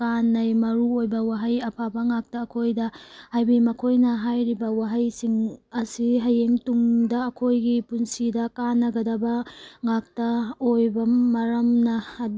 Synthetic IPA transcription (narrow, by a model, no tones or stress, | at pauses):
kanːɐjmɐɾuojbɐwaɦɐjɐpʰabɐŋak̚tɐːkʰojdɐhajbimɐkʰojnɐɦajɾibɐwaɦɐjsiŋɐsiɦɐjeŋtumdɐːkʰojɡipunsidɐkanːɐɡɐdɐbɐŋak̚tɐojbɐmɐɾɐmnɐ